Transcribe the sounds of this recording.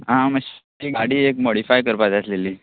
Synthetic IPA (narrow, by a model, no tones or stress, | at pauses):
ɦãməɕ | iɡaɽiːekmoɽifajkəɾpad͡zasleliː